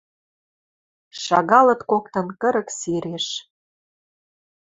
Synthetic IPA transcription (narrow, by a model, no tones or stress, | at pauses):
ʃɑɣɑlɤ̆t̪kokt̪ɤ̆nkə̆ɾə̆ksiɾeʃ